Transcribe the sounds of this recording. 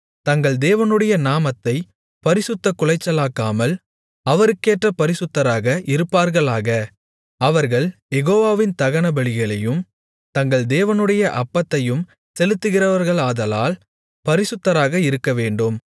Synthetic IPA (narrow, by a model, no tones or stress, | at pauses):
t̪ɐŋɡɐɭd̪eːʋɐnɯɽɐjɐnaːmɐt̪ːɐɪ | pɐɾɪsɯt̪ːɐkːʊɭɐɪt͡ʃːɐlaːkːaːmɐl | ɐʋɐɾɯkːeːʈrɐpɐɾɪsɯt̪ːɐɾaːɣɐʔɪɾɯpːaːɾɣɐɭaːɣɐ | ɐʋɐɾɣɐɭjɛɣoːʋaːʋɪnt̪ɐɣɐɳɐbɐɭɪɣɐɭɐjɯm | t̪ɐŋɡɐɭd̪eːʋɐnɯɽɐjɐʔɐpːɐt̪ːɐjɯm | sɛlɯt̪ːɯɣɪrɐʋɐɾɣɐɭaːðɐlaːl | pɐɾɪsɯt̪ːɐɾaːɣɐɪɾɯkːɐʋeːɳɖɯm